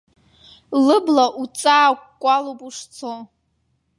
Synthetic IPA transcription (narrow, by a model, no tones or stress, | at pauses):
lɨblaʔut͡sʼaːkʷʼkʷʼalopʼuʂt͡sʰo